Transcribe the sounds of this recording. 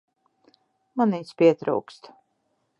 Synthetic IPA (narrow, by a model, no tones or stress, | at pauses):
maniːspʲiɛt̪ɾṵwkst̪